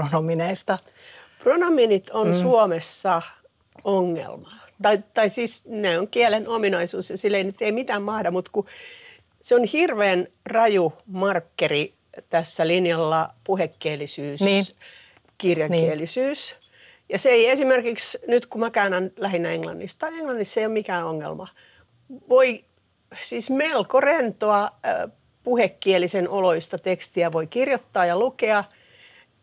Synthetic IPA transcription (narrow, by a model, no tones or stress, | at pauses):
onomineist̪ɑ | pronominit̪onsuomesːɑ | oŋːḛlmɑ | t̪ɑit̪ɑisiːsneoŋkiælenominɑisuːsjɑsilːeinyt̪eimit̪æːmmɑhdɑmut̪ku | seonhirʋeːnrɑjumɑrkːeri | t̪æsːælinjɑlːɑpuhekːiːlisyːss | kirjɑkːielːˑisyːs | jɑseeiesimerkiksnyt̪kumækænɑnlæhinːæeŋlɑ̰nːist̪t̪ɑineŋlɑnːist̪ːseijommikæːoŋːḛlmɑ | ʋoi | siːsmelkorent̪oɑ | puhekːielisenoloist̪ɑt̪ekst̪iæʋoikirjot̪ːɑːjɑlukeɑ